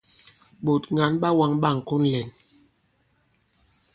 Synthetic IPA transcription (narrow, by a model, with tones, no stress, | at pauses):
ɓo˨tŋa˨˦nɓa˦wa˦ŋɓa˦˨ŋ̩˨ku˦nlɛ˨n